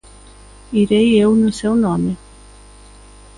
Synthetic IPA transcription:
iɾejewnʊsewnõmɪ

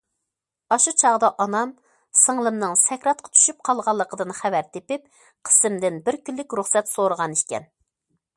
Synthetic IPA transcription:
ɑʃut͡ʃʰɑʁd̪ɑʔɑnɑm | səŋlˠɨmnɨŋsɛkʲɾɑt̪̚qʰɑ̥t͡ʃ̪ʰy̥ʃyp̚qʰɑlˠʁɑlˠːəqʰəd̪ɨnχævæɾt̪ʰepɪp̚ | qʰə̥sɨmd̪ɪnbɪɾkʲylːɪkʲɾuχsɛt̪soɾəʁɑnikʲɛ̰n

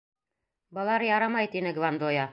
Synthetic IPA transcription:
bɤ̆lˠɑɾjɑɾɑmɑjt̪inɘɡvand̪ojɑ

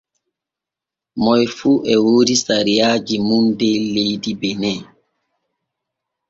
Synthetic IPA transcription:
mɔjfuʔɛwoɾisaɾijaːd͡ʒimundɛlejdibɛnɛ

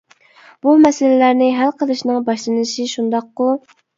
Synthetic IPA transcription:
b̥umɛsɪlɪlæɾnɪɦælqʰəlˠɨʃnɨŋbɑʃlˠɨnɨʃiʃund̪ɑq̚ːʊ

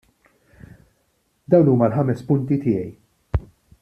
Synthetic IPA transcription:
d̪ɐwnuːmɐlħɐmɛspʊnt̪it̪ɪːjɛj

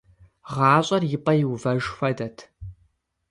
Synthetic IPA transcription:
ʁɑːɕʼɐrjɪpʼɐjɪwvɐʒxʷɐdɐtʰ

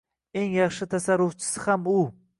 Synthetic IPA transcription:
e̞ŋjɑχʃɪt̪ʰasaɾʊft͡ʃʰɪ̥sɪhamʊ

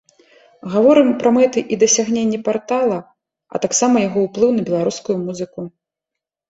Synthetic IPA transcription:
ɣavɔɾɨmpɾɐmɛt̪ɨʔid̪ɐsʲaɣnʲenʲːɛpart̪alˠɐ | ɐ̰t̪aksamɐjaɣɔwplˠɨwnɐbʲɛlˠaɾuskujumuzɨku

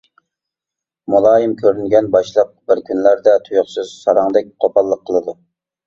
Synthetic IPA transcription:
mulˠɑːjimkʲʰøɾynɡʲɛnbɑʃlˠəq̚bɪɾkʲynlæɾd̪ɛt̪ʰujʊχsɨz̥sɑɾɑŋd̪ɛk̚ʲqʰopʰɑlˠːəqʰːəlˠɨd̪u

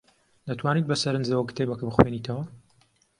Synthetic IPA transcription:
d̪ɐt̪ʰwaːniːt̪̚bɐsɐɾɨnzɐwɐkɨ̥t̪ʰejbɐkɨbɨxweniːt̪ʰɐwɐ

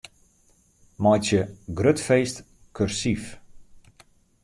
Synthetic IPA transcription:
mɔjtjəɡrøtfeːst | kʰørsif

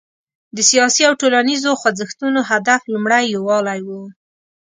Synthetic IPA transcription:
d̪əsijɑsiawʈolanizoxwad͡zɪxt̪unoɦad̪aflumɽajowɑlajwu

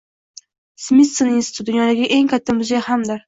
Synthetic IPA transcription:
smit̪sɨninsɪ̥t̪ʰud̪ʊnjɒd̪aɡʲɪʔe̞ŋkʰʲat̪ʰːamʊzejahamd̪ɪɾ

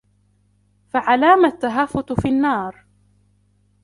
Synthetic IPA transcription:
faʕalaːmat̪ːaɦafːʊt̪finːɑːɾˤ

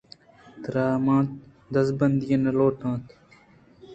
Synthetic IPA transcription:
d̪ɾaːmãːt̪ | d̪əsbənd̪ijəneloːʈʰãːt̪ʰ

